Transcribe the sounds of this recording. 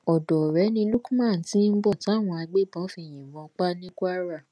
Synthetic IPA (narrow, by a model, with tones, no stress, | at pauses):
ɔ˨dɔ˨ɾɛ˨˦nĩ˧lu˦kũ˦mã˦˨tĩ˦n̩˦bɔ˦˨ti˨˦a˦˨w̃ɔ̃˧a˧ɡ͡be˦˨bɔ̃˨˦fi˧˨j̃ĩ˨wɔ̃˧k͡pa˦nĩ˦kʷa˦ɾa˦˨